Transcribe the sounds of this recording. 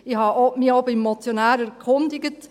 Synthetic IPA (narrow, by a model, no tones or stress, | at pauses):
ɪhɑːʔomiobɪmːɔt͡sjonæːɾæɾkʰʊndɪɡət